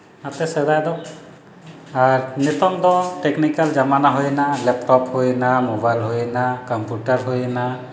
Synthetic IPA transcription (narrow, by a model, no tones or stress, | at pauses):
at̪ɛsɛdad̪ɔ | aɹnit̪ɔŋd̪ɔʈeknikalzamanaɦojnalɛpʈɔphojnamobajlɦojnakɔmpuʈaɹɦojɛna